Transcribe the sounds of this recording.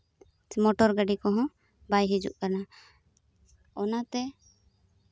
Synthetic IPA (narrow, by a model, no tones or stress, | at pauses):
mɔʈɔɾɡəɖikɔɦɔ̃ | bajɦid͡ʒṵʔkana | ɔnat̪ɛ